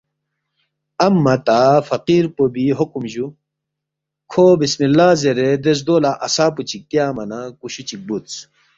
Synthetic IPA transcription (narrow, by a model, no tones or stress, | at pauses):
ɐmːɐt̪afɐqiɾpobiɦokumʑu | kʰobismilːaːzeɾed̪es̬d̪oːlaʔɐsaːput͡ɕʰik̚t̪jaːmɐnakuɕut͡ɕik̚but̪t͡s